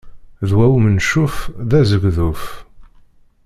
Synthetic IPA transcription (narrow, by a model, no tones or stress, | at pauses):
ðwæwmənʃufðæzəɡðuf